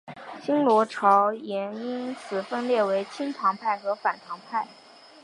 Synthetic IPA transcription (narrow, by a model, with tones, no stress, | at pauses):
ɕi˥nlwɔ˧˥ʈ͡ʂʰɑ˧˥ʊjɛ˧˥ni˥nt͡sʰɹ̩˨˩fə˥nljɛ˥˩we˧˥ɪt͡ɕʰi˥nt̪ʰɑ˧˥ŋpʰa˥˩ɪxɤ˧˥fa˨˩nt̪ʰɑ˧˥ŋpʰa˥˩ɪ